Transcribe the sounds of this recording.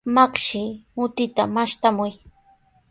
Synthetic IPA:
makʃɪmʊt̪ɪt̪amaʃt̪amʊj

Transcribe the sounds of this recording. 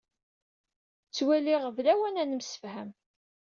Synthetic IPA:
t͡sːwæliʁəvlæwænænəmsə̥fhæm

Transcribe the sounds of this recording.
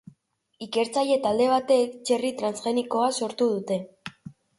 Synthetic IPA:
ike̞ɾt͡saje̞t̪ald̪e̞β̞at̪e̞kt͡ʃe̞rit̪ɾansʝe̞niko̞aso̞ɾt̪uð̞ut̪e̞

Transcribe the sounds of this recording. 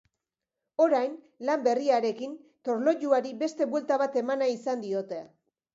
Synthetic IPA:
o̞ɾajn | lambe̞riaɾe̞kint̪o̞ɾlo̞ʎuaɾibe̞st̪e̞βwe̞lt̪aβat̪e̞manaisand̪io̞t̪e

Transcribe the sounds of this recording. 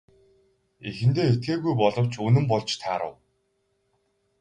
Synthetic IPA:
exɘ̆nt̪eːet̪̚ɡeːɣujpɔɮɞ̆w̥t͡ɕʰɵnɘ̆mpɔɮt͡ɕt̪ʰaːɾə̰̆w

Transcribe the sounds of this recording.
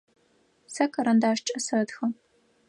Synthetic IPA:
sɐkʰʼɐɾɐndaːʂt͡ʃʼɐsɐtxɐ

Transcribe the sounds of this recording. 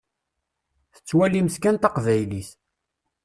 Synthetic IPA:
θə̥t͡sːwæliməθkænt̪ɑqvæjliθ

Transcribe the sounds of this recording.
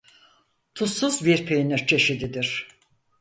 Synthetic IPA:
t̪ʰusuzbiɾpʰejniɾt͡ʃʰe̞ʃid̪id̪iɾ̥

